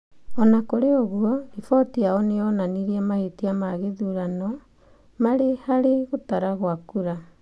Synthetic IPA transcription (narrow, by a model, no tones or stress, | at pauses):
ɔnakoɾeoɣuɔɾifɔtiaɔneɔnaniɾiamahetiamaɣeðuɾanɔ | maɾehaɾeɣotaɾaɣwakuɾa